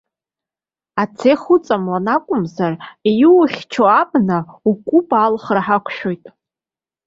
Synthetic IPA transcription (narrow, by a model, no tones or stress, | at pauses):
at͡sʰeχʊt͡sʼamlanakʷʼʊmzarejwʊχʲt͡ʃʰoabnaukʷʼʊpʼalχraħakʷʰʃᶣojtʼ